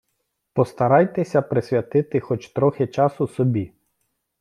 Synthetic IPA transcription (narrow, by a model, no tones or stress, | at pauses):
pɔst̪ɐɾɑjt̪ɛsʲɐpɾɪsʲʋʲjɐt̪ɪt̪ɪxɔt͡ʃt̪ɾɔxɪt͡ʃɑsʊsɔbʲi